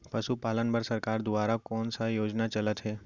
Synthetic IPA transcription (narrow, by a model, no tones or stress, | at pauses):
pɐʃupaːlənbəɾsɐɾkaːɾd̪ʊaːɾakɔːnsajoːd͡ʒnat͡ʃɐlət̪ɦɛː